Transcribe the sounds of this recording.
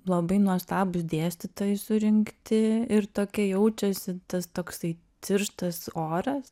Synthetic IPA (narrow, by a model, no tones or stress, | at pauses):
lˠɐbɐɪnuɔst̪ɑːbʊsd̪ʲeːsʲt̪ʲɪt̪oːjɛsʊɾʲɪŋkt̪ʲɪɪrt̪oːkʲɛjɛʊt͡ʃʲɛsʲɪt̪ɐst̪oːksɐɪ | t͡sʲɪrʃt̪ɐsoːɾɐs